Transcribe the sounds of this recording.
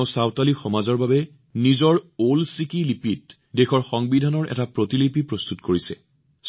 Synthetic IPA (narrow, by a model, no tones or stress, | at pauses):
ʊsawtalixɔmazɔɹbabɛ | nizɔɹolsikilipit̚ | dexɔɹxɔŋbidʱanɔɹʔɛ̰tapɹotilipipɹost̪utkoɹisɛ̰ | s